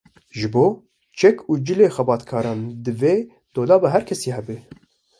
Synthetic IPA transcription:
ʒɨboː | t͡ʃʰɛkʰuːd͡ʒɨleːxɛbɑːt̪kʰɑːɾɑːnd̪ɨveː | d̪̥oːlɑːbɛɦæɾkʰɛsiːɦɛbɨ

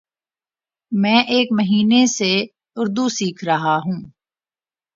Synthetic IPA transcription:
mɛ̃ːʔeːkmɐɦiːnese | ʊɾd̪usiːkʰɾɐɦaɦũː

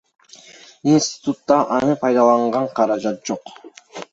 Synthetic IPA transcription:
insʲt̪ʲɪ̥t̪ut̪ːɑʔɑnɯpʰɑjd̪ɑlˠɑɴʁɑɴqʰɑɾɑd͡ʒɑt̪̚d͡ʒo̞q

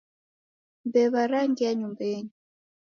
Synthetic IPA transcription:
mbɛβaɾaŋɡiaɲumbɛɲi

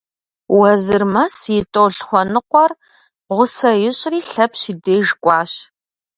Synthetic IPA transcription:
wɐzɨrmɐsjɪtʼoːɬχʷɔnɨqʷɔr | ʁʷʊsɐjɪɕʼriːɬɐpɕideːʒkʷʼɑːɕ

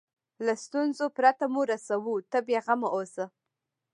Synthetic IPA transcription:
last̪unzopɾat̪amuɾasawut̪əbeɣamaʔosə

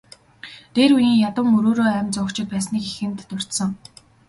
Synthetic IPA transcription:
t̪eːɾujiːŋjat̪ə̆ŋɵɾoːɾoːæːmʲt͡sʊkt͡ɕʰɪ̆t̪̚pæːsniːki̥xɘ̆nt̪ːʊr̥ʲt̪sə̆ŋ

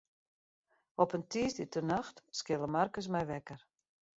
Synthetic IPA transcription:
ɔpəntiːstitənaxtskɪlˠəmarkəs̬mɛjʋɛkər

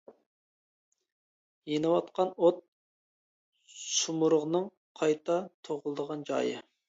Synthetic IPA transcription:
jenɨwɑt̪qɑnot̪̚ | sumuɾəʁnɨŋ | qʰɑjt̪ɑt̪ʰoʁʊlˠəd̪əʁɑnd͡ʒɑ̰jɨ̰

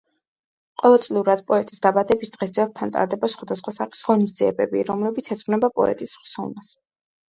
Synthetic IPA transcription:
qʼɔvɛlˠsʼliuɾad̪pʼɔɛt̪ʼisd̪abad̪ɛbisd̪̥ʁɛsd̪ziɛlˠɛt̪ʰant̪ʼa̰ɾd̪ɛbasχwad̪asχwasaχi̥sʁɔnisd̪ziɛ̰bɛbḭɾɔmlɛbit̪sʰɛt̪sʰʼχnɛbapʼɔ̰ɛ̰t̪ʼisχsɔlˠmas

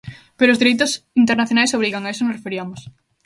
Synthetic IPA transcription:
peɾoʊːzðiɾejt̪ʊsint̪eɾnaθjonajsoβ̞ɾiɣaŋaes̬onosrefeɾiɐmos

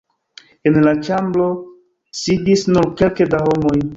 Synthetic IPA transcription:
e̞nlat͡ʃamblo̞ | sidisnuɾke̞lkedahomo̞j

